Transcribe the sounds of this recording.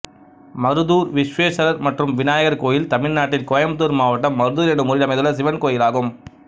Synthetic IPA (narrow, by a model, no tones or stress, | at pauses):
mɐɾɯðuːɾʋɪʂʋeːʂɐɾɐɾmɐʈrɯmʋɪnaːjɐɣɐɾkoːjɪlt̪ɐmɪɻnaːʈːɪlkoːjɐmt̪uːɾmaːʋɐʈːɐmːɐɾɯðuːɾɛnɯmʊɾɪlɐmɐɪðɯlːɐs̬ɪʋɐnkoːjɪlaːɣɯm